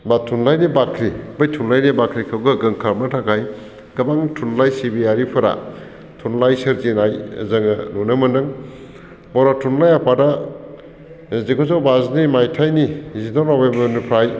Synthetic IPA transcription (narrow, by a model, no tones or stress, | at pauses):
batʰunlajnibakʰɾibɐjtʰunlajnibakʰɾikʰɐwɡɐɡɯŋkʰaɾmatʰakʰaj | ɡ̥ɐbaŋtʰunlajsibijaɾipʰɐɾa̰ | tʰunlajsɐɾzinajzɐŋɐnunɐmɐndɯŋ | bawɾatʰunlajapʰada | zekʰozawbaznimajtʰajnizidonobembɐnupʰɾaj